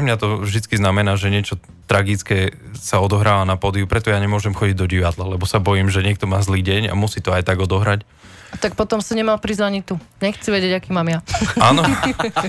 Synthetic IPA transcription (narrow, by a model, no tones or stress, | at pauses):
mɲat̪ɔvʒd̪it͡skiznamɛnaːʒɛɲɪɛt͡ʃɔt̪ɾaɡit͡skɛːsaɔd̪ɔɦɾaːʋanapɔd̪iupɾɛt̪ɔjaːɲɛmʊɔʒɛmxɔɟiɟd̪ɔɟiʋad̪lalɛbɔsabɔjiːmʒɛɲɪɛk̚t̪ɔmaːzliːɟɛɲa̰musiːt̪ɔajt̪aɡɔd̪ɔɦɾac | at̪ak̚pɔt̪ɔmsaɲɛmalpɾizaɲit̪u | ɲɛxt͡siʋɛɟɪɛɟakiːmaːmjaaːnɔ